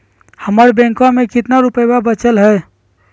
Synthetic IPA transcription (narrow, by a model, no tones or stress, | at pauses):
həməɾbɛ̃ŋkãmẽkɪt̪naɾupəjbabət͡ʃəlɦɛː